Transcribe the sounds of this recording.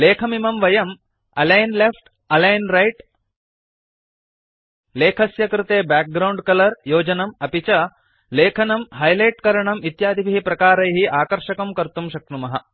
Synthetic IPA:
leːkʰɐmimɐmʋɐjɐm | ɐlɐjnlefʈ | ɐlɐjnɾɐjʈ | leːkʰɐsjɐkɾɪt̪eːbaːk̚ɡɾɐwɳɖkɐlɐɾjoːd͡ʒɐnɐmɐpit͡ʃɐ | leːkʰɐnɐmɦɐjlɐjʈkɐɾɐɳɐmit̪jaːd̪ʱibʱiɦipɾɐkaːɾɐjɦiʔaːkɐɾʃɐkɐmkɐɾt̪umʃɐk̚t̪umɐɦɐ

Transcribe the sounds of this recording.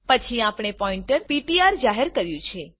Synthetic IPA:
pət͡ʃʰiapɳ̃epɔiɳʈəɾpiʈiaɾd͡ʒaɦeɾkəɾjũt͡ʃʰe

